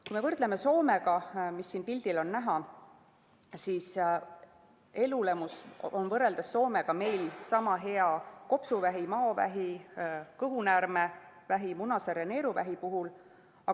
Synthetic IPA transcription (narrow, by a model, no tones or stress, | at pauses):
kujme̞vɤrd̪̥leme̞so̞ːme̞ɡ̥ɑmisːiːnpilʲd̪̥ilo̞nːæɦɑ | siːs | e̞lule̞muso̞nvɤrːe̞ld̪̥ɑsːo̞ːme̞ɡ̥ɑme̞jlsɑmɑɦe̞ɑko̞psuvæɦimɑovæ̰ɦikɤɦunærme | væɦimunɑseɾene̞ːɾuvæ̰ɦipuɦul | ɑ